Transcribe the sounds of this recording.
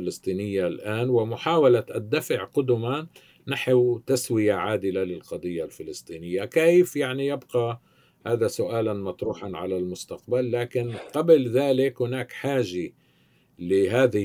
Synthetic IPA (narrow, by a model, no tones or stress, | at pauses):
ɪlɪst̪ˤiːnɪjːalʔaːnwɪmʊħaːwalaʔad̪ːafɪʕqʊd̪ʊma | naħwt̪aswɪjaʕaːd̪ɪlalɪlqɑd̪ˤɨjːalfɪlɪst̪ˤiːnɪjːakeːjfjaʕnijɪbqɑ | haːðasʊʔaːlanmɑt̪ˤɾuːħanʕa̰lalmʊst̪aqbalːaːkɪnqɑblðaːlɪkhʊnaːkħaːʒa | lɪɦaːðɪ